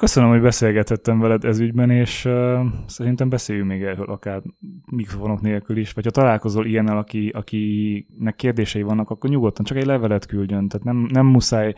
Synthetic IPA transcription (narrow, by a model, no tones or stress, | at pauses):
kø̞sønømho̞ɟbɛseːlɡɛt̪hɛt̪ːɛɱvɛlɛd̪ɛzyɟbɛneːʃ | sɛɾint̪ɛmbɛseːjyŋmeːɡɛrøːlʔɒkaːrmikrofo̞no̞kneːlkyliʃʋɒcʰhɒt̪ɒlaːlko̞zoːlijɛnːɛlɒkiɒkinɛkːeːrd̪eːʃɛivɒnːɒkɒkːorɲuɡo̞t̪ːɒnt͡ʃɒkɛɟlɛvɛlɛt̪kylɟø̞nt̪aːt̪nɛmnɛmːusaːj